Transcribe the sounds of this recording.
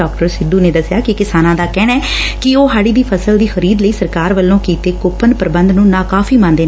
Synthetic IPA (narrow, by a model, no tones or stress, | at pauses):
aːk̚ʈəɾsɪd̪uːneːd̪əsɪjaːkɪkɪsaːnãːd̪aːkɛːɽ̃ɛːkɪoːɦaːɽiːd̪iːpʰəsəld̪iːxəɾiːd̪ləiːsəɾkaːɾʋəlːõːkiːt̪eːkoːpʰːənpəɾbə̃nd̪nũːnãːkaːfʰiːmãːnd̪eː